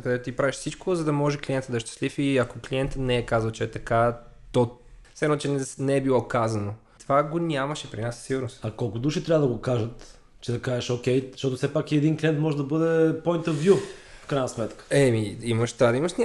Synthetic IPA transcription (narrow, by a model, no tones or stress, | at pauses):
kɐd̪ɛt̪ot̪ipɾaviʃsit͡ʃkozɐd̪ɐmɔʒɛklʲiɛnt̪əd̪ɐʃt̪ɛ̥slifiɐkokliɛnt̪ənɛɛkazəlˠt͡ʃɛɛt̪ɐkat̪ɔsɛɾnt͡ʃɛɛnɛɛbilˠɔkazɐno | t̪vaɡonʲamɐʃɛpɾinassiɡʊɾnost̪ɐkɔlˠkʊd̪uʃit̪ɾʲabəd̪ɐɡokaʒət̪ | t͡ʃɛd̪ɐkaʒɛʃɔkʲɛjʃt̪ɔt̪ofsɛpakiɛd̪inkliɛnt̪mɔʒɛd̪ɐbɤd̪ɛpoint̪ɐɾvjufkɾajnɐsmɛt̪kə̥ɛmiiməʃt̪vad̪ɐiməʃnʲ